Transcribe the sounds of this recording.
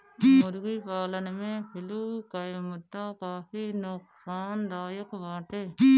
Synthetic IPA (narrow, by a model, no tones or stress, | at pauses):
ʊɾɡiːpaːlənmẽpʰɪluːkəjmʊd̪aːkaːfiːnʊksaːnd̪aːjəkʋaːʈeː